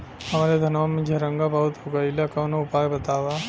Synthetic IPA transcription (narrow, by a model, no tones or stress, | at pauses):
hɐmaːɾed̪ʱɐnʋamẽd͡ʒʱɐɾə̃ŋɡabɐɦʊt̪ɦoɡaɪlakɐːnoʊpaːjbɐt̪aːʋa